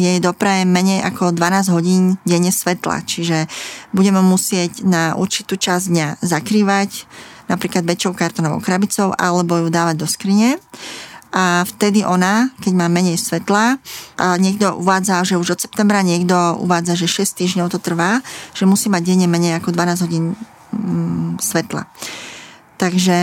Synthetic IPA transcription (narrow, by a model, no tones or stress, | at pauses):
jɛjd̪ɔpɾɛɛmɛɲɛjʔakɔd̪ʋanaːzɟɦɔɟiːnɟɛɲɛsʋɛt̪la̰t͡ʃiʒɛbuɟɛmɛmusɪɛɟnaʔṵɾt͡ʃi̥t̪uːt͡ʃazd̪ɲazakɾiːʋacnapɾiːklad̪ʋɛt͡ʃːɔʊkaɾt̪ɔnɔʋɔ̰ʊkɾabit͡sɔʊʔa̰lɛbɔjud̪aːʋaɟ̚d̪ɔskɾiɲɛ | ʔaft̪ɛd̪iʔɔnakɛɟmaːmɛɲɛjsʋɛt̪laʔaɲɪɛɡ̚d̪ɔʔṵʋaːd͡zaʒɛuʒɔt̪sɛ̥p̚t̪ɛmbɾaɲɪɛɡd̪ɔṵʋaːd͡zaʒɛʃɛst̪iːʒɲɔʊt̪ɔt̪r̩ʋaːʒ̥ɛmusiːmaɟ̚ɟɛɲɛmɛɲɛjakɔd̪ʋanaːzɦɔɟiːn | sʋɛt̪la̰ | t̪aɡʒɛ